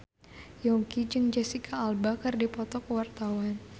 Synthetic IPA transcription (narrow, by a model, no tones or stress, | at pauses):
jɔŋkid͡ʒɨŋd͡ʒɛsikʰaːlbakɨrdipɔt̪ɔkəwart̪awan